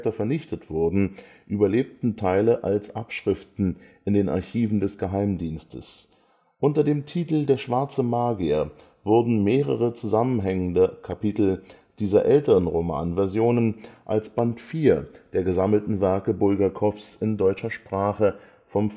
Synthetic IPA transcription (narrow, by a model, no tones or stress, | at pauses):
tɐfɛɐnɪçtətv̥ʊɐdn̩ʔyːbɐleːp̚tn̩tʰaɪləʔalsʔapʃʁ̥ɪftn̩ʔɪndeːna̰ɐçiːvn̩dɛsɡ̥əɦaɪmdiːnstə̰s | ʔʊntɐdeːmtʰiːtl̩deːɐʃv̥aɐt͡səmaːɡiɐ | vʊɐdn̩meːʁ̞əʁət͡suzamənɦɛŋəndəkʰapitl̩ | d̥iːzɐʔɛltəʁənʁoma̰ːnvɛɐzjoːnənʔalsb̥antfiːɐd̥eːɐɡəzaml̩tn̩vɛɐkəbʊlɡɐkʰɔfsɪndɔʏt͡ʃɐʃpʁ̥aːχə | fɔm